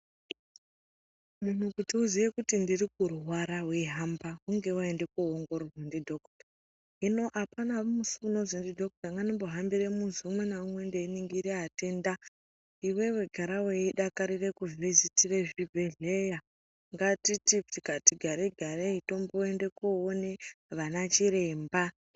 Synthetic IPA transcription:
mun̤ukutiuzijekutindirik̚uruɦwaɾaweɦambakuŋɡe̞waende̞kuɦoŋɡo̞ɾozendidʱo̞ktḁ | ɦino̞ʔapanaumusuuno̞zindidʱo̞k̚taŋɡanimbo̞ɦambiɾemunziumwe̞naumwe̞ndeiniŋɡiɾeɦate̞nda | iwe̞we̞ɡʱaɾaweiɗakaɾire̞kuvizitire̞ʐivʱeɮeja | ŋɡatititikatiɡʱaɾeɡʱaɾeito̞mboende̞kuoneʋanat͡ʃiɾe̞mba

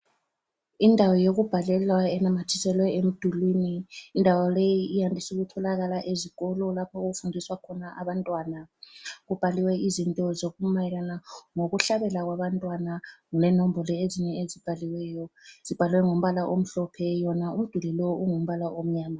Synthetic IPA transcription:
indʱawɔjoɣub̥ʱalɛlwaɛnamatʰi̥sɛlwɛem̩d̥ʱuliːniːndʱawalejiijandʱisuɣutʰɔlaɣalaʔeziɣ̥ɔlɔlapʰɔuɣufundʱiswakʰɔnaʔaβantʼwanaɣub̥ʱaliwɛizintʼɔzoɣumajɛlanaŋoɣuɬaβɛlaɣ̬waβantʼwanaŋlɛnɔmbʱɔlɔeziɲɛezib̥ʱaliwɛːjɔz̥ib̥ʱaliwɛŋom̩βalaʔom̩ɬɔpʰɛjɔnaum̩d̥ʱulɛlɔuŋom̩βalaʔom̩ɲaːma

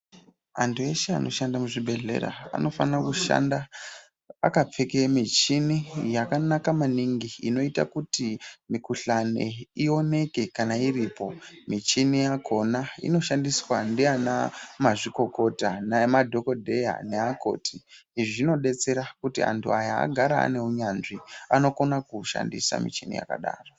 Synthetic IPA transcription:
antue̞ʃea̰no̞̰ʃandamuʐibʱe̞ɮe̞̰ɾa̰a̰no̞fanrakuʃa̰nda | a̰kap͡fekemit͡ʃinijakanakamaniŋɡiino̞ita̰kutimikuɬanḛio̞ne̞ke̞kanairipo̞mit͡ʃinijakʰo̞naḭno̞ʃandiswandiana̰maʐiko̞ko̞tanamadʱo̞ko̞dʱe̞ja̰neako̞̰ːtʰiiʐino̞ɗe̞t͡se̞ɾakutia̰ntʰuajaa̰ɡʱaɾa̰ːne̞uɲanʐiano̞ko̞nakuʃa̰ndḭsa̰mḭt͡ʃinḭja̰ka̰ɗa̰ːro

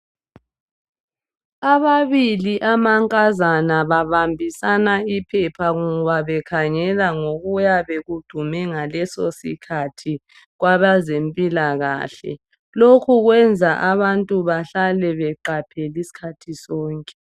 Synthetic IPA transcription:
aβaβiliʔamaŋkʼazanaβaβambʱisanaipʰɛpʰaɣuβaβɛkʰaŋɛlaŋoɣujaβeɣud̥ʱumɛŋalɛsosḭkʰatʰi | ɣwaβazempʼilaɣa̰ːɬɛ̰ | lokʰuɣwɛnd͡zʱaʔaβantʼuβaɬalɛβɛǃapʰɛlisi̥kʰatʰisɔːŋkʼɛ

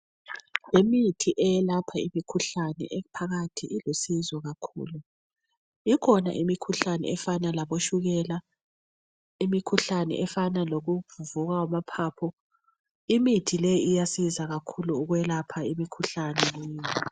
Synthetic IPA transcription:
jemitʰiʔɛjɛlapʰaimikʰuɬanɛ̰ʔɛpʰaɣatʰiʔilusizɔɣakʰṵːlu | ikʰɔna̰ʔimikʰuɬanɛ̰ɛfanalaβoʃuɣɛla | imikʰuɬanɛ̰ʔɛfanaloɣuvuvuɣawamapʰaːpʰɔ | imitʰilejijasizaɣakʰuluːɣwɛlapʰaimikʰuɬanɛjiː

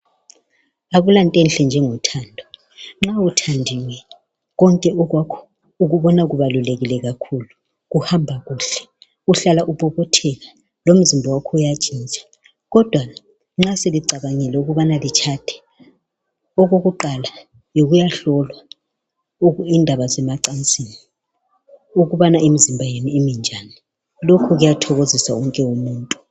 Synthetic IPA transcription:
aβulantʼenɬɛnd͡ʒʱɛŋɔtʰandʱɔ | ŋ͡ǁawutʰandʱiwɛ | ɣɔŋkʼɛʔɔɣwakʰɔ̥ | uɣuβɔnaɣuβaluleɣilɛɣakʰulu | ɣuhambʱaɣuːɬɛ̥ | uɬalaʔuβɔβɔtʰɛɣa | lom̩zimbʱɔwakʰɔujad̥ʒ̥ʱint͡ʃʼḁ | ɣɔd̥ʱwa | ŋ͡ǁaseliǀaβaŋɛlɛuɣuβanalit͡ʃʰatʰɛ̥ | ɔɣoɣuǃala | joɣujaɬɔlwa | uindʱaβazɛmaǀant͡sʼini | uɣuβanaʔem̩zimbʱajenuemind͡ʒʱani | lokʰɔɣujatʰɔɣozisa̰ɔŋkʼɛwomuːntʼu

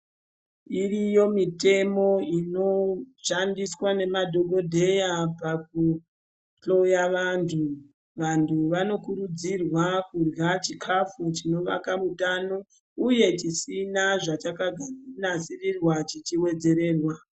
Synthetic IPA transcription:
irijo̞mite̞mo̞ino̞ʃandiswane̞madʱo̞ɡʱo̞dʱe̞japak̚u | t͡ɬo̞jaʋantʰu | ʋantʰuʋano̞kuɾud͡zirwakurɡat͡ʃikʰafut͡ʃino̞ʋa̰kamutano̞ | uje̞t͡ʃisinaʐat͡ʃakaɡʱanasirirwat͡ʃit͡ʃiwe̞d͡ze̞ɾe̞ːrwa

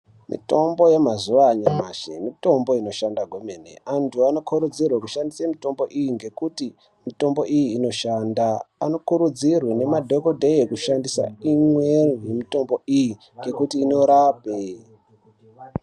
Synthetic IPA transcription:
mḭto̞mbo̞je̞mazuʋaɲamaʃḛmito̞mbo̞ino̞ʃandaɡʱo̞menḛantʰuano̞kʰuɾud͡zirwakuʃandisamito̞mbo̞ʔijiŋɡe̞kuti | mito̞mbo̞ʔijiːno̞ʃandaːno̞kuɾud͡zirwene̞madʱokodʱeekuʃandisa̰imwerjemito̞mbo̞iji | ŋɡe̞kutiːno̞ɾape

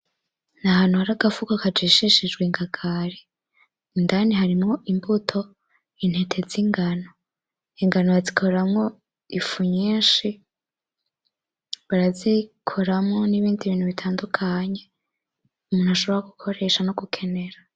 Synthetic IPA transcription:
nahaːn̥huhaɾaɡafukokad͡ʒiʃiʃid͡ʒɡwiŋɡaɡʰaɾi | indaniɦaɾimŋo̞ʔimbutʰo̞ | in̥he̞tʰe̞ziŋɡano | iŋɡanojazikʰo̞ɾamŋo̞ | ifuɲiːʃi | βaɾazikʰo̞ɾamŋo̞niβiːndiβiːnhuβitʰaːndukʰaɲe̞ | umuːn̥haʃo̞βoɾaɡukʰo̞ɾe̞ʃanoɡukʰe̞ne̞ɾa

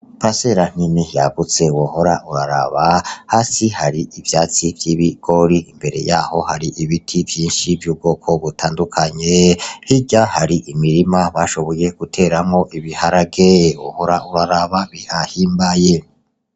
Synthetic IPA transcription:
pase̞ɾan̥inijaɡut͡sewoho̞ɾaʔuɾaɾa̰βahaːsihaɾiʔivjaːt͡sivjiːβiɡ̥o̞ɾiimbe̞ɾe̞̰jaːho̞haɾiʔiβitʰivjiːnʃivjuːb̚ɡo̞ːkʰo̞βutʰaːndukʰaɲehiɟahaɾiʔimiɾimaβaʃo̞βo̞je̞ɡ̥utʰe̞ːɾamŋo̞ʔiβihaɾaɡewoho̞ɾaʔuɾaɾaβaβihahiːmbaje

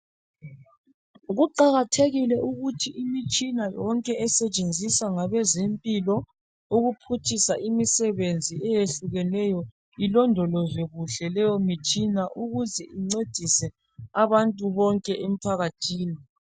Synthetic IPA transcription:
ɣuǃaɣatʰeɣilɛʔuɣutʰiʔimit͡ʃʼinajɔŋkʼɛɛsɛt͡ʃʼend͡zʱisaŋaβɛzempʼilɔ | uɣupʰutʰisaʔimisɛβend͡zʱiɛjeɬuɣɛlɛjɔ | ilɔndʱɔlɔzeɣuɬɛlɛjɔmit͡ʃʼinaʔuɣuzɛʔiŋ͡ǀed̥ʱisɛ | aβantʼuβɔŋkʼɛʔem̩pʰaɣatʰiːni

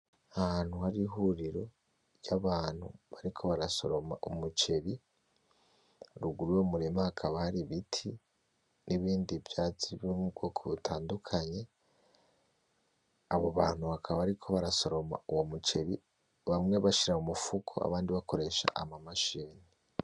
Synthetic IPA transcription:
ahhan̥huhaɾiɦuɾiɾo̞ | jaβaːn̥hṵβaɾikʰo̞βaɾaso̞̰ɾomaʔumut͡ʃe̞ɾi | ɾuɡuɾuwo̞muɾemahakʰaβahaɾiβitʰi | niβiːndivjaːt͡siβjomubɡo̞ːkʰoβutʰaːndukʰaɲe̞ | aβoβaːn̥huhakʰaβaβaɾikʰo̞βaɾaso̞ɾo̞ma̰uwo̞mut͡ʃe̞βi | βamŋe̞βaʃiɾaumufukʰo̰a̰βaːndiβakʰo̞ɾe̞ʃa̰ʔamamaʃiːni

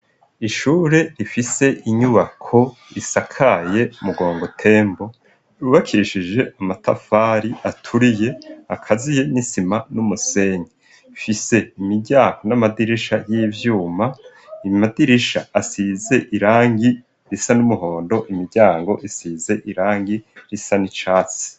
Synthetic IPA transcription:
iʃuːɾe̞nifise̞ʔiɲuβakʰo̞ | isakʰaje̞umuɡo̞ːŋɡo̞tʰe̞ːmbo̞ | uβakʰiɾiʃid͡ʒe̞ʔamatʰa̰faːɾiatʰuɾije̞akʰazije̞nisimanumuse̞ɲi | fise̞imiɾɟaːŋɡo̞namadiɾiʃajiːvjuːma | imadiɾiʃaasize̞ʔiɾaːŋɡi | ɾisanumuho̞ːndo̞ʔimiɾɟaːŋɡo̞ʔisize̞ʔiɾaːŋɡiɾisanit͡ʃaːt͡se̥

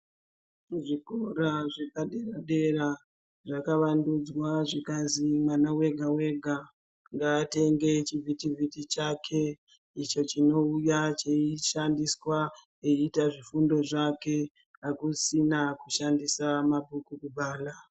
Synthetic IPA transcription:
ʐikoɾaʐe̞paɗeraɗe̞ɾa | ʐakaʋandud͡zwaʐikazimwanawe̞ɡʱawe̞ɡʱa | ŋɡaːte̞ŋɡe̞t͡ʃivitivitit͡ʃakʰe̞ | it͡ʃo̞t͡ʃino̞ujat͡ʃeiʃandiswa | eitaʐifundo̞ʐake̞ | akusinakuʃandisamabʱukukuɓaːla

